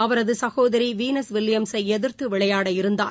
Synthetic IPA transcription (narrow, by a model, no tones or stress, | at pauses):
ɐʋɐɾɐðɯsɐɣoːðɐɾiʋiːnɐsʋɪlːɪjɐmsɐɪɛðɯɾt̪ɯʋɪɭɐjaːɽɐɪɾɯnd̪a̰ː